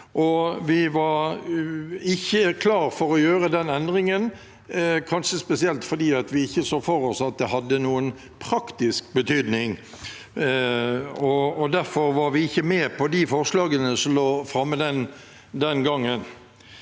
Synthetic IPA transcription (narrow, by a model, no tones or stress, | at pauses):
ʔɔʋɪʋɑɾ | ɪçːəkʰlɑːɾfɔɾɔjøːɾəd̪ɛnɛnd̪ʁɪŋən | kʰɑnʂəspɛsɪɛlt̪fɔɾd̪iːɑt̪ʋɪɪçːəsoːfɔɾɔsɑt̪̚d̪ɛɦɑd̪ːənuːən | pʰʁɑkt̪ɪsk̚bət̪ʰyːd̪nɪŋ | ɔɔd̪æɾfɔɾʋɑɾʋɪɪçːəmɛːpʰɔd̪ifɔʁʂlɑːɡənəsɔmloːfɾɑmːəd̪ɛn | d̪ɛnɡɑŋːən